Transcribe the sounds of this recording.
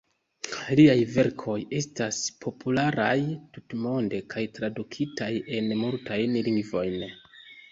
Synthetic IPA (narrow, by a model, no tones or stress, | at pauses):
liajve̞ɾkʰo̞je̞staspʰo̞pʰulaɾajtutmo̞nde̞kʰajtɾadukʰitaje̞nmultʰajnliŋɡvo̞jn